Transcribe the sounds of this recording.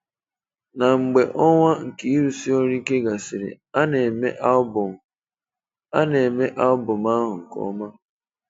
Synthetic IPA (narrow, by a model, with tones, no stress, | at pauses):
na˨ŋ͡m̩˨ɡ͡be˨ʔɔ˦ŋʷa˦ŋ̩˨ki˦i˦ɾu˨si˦o˦ɾi˦ke˦ɡa˨sɪ˨ɾɪ̰˨ | a˦ne˨me˦ʔbʊ˨m˨ | a˦ne˨me˦ʔa˦ʊ˦bʊ˨ma˦ɦʊ˨ŋ̩˨kɔ̰˦ma˦